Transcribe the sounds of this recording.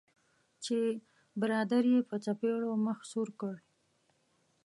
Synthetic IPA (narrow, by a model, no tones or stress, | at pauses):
t͡ʃe | bɪɾɑd̪aɾjepət͡sapeɽoməxsuɾkəɽ